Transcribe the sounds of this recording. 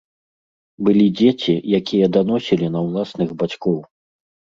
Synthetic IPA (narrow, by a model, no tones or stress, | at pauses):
bɨlʲid͡zʲet͡sʲijakʲijɐd̪anɔsʲilʲinɐwlˠasnɨɣbat͡sʲkɔw